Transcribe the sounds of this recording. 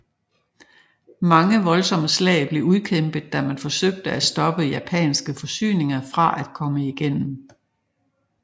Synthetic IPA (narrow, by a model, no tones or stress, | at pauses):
mɑ̈ŋəʋɒ̽lsɒ̽məslɛ̰ːɪb̥le̝uðˠkʰemb̥əð̩ˠd̥æmænfɒ̽søɡ̥̚d̥əæsd̥ɒ̽b̥əjæpʰɛ̰ːnsɡ̥əfɒ̽sy̰ːne̝ŋɐfʁɑ̈ʔæd̥kʰɒ̽məiɡ̥en̰m̩